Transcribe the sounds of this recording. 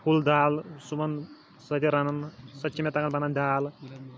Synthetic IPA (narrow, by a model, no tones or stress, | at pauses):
pʰuld̪aːlsumɐn | sɐt̪iɾɐnɐnsɐtːt͡ʃimet̪ɐkɐnbɐnɐnd̪aːl